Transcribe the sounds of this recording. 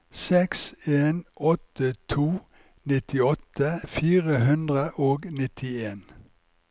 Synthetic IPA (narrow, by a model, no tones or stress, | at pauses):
sɛkseːnʔɔt̪ət̪ʰuː | nɪt̪ɪɔt̪əfiːʁəɦʉnd̪ʁəʔoːɡnɪt̪ʰɪeːn